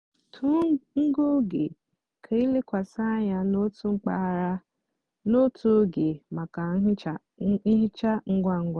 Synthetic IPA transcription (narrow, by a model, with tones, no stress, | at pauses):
tʰu˦ŋ̩˦ɡo˦ɡe˨ | kʰe˨i˦le˦kʷa˨sa˦ɲa˦no˦tu˦ŋ͡m̩˦k͡pa˦˨ɾa˦ | no˦tʰu˦ɡe˨ma˨ka˨˦ɦ | i˦ɦɪ˦t͡ʃa˦ŋ̩˦ɡʷa˦ŋ̩˦ɡʷa˦˨